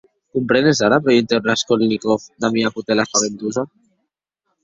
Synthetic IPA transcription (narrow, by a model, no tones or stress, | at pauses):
kumpɾenezaɾapɾejent̪ewraskolnikofd̪amiakut̪elafaβent̪uza